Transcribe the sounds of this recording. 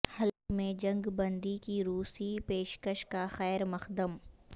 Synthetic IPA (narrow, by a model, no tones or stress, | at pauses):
hɐlkmẽd͡ʒɐ̃ŋɡbɐ̃nd̪ikiɾuːsipeːʃkəʃkaxɛːɾmɐxd̪əm